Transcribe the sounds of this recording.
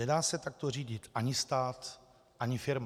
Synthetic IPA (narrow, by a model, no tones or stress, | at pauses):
ɛdaːsɛt̪ak̚t̪oriːɟɪt̪ʔaɲɪst̪aːt̪ | ʔaɲɪfɪɾm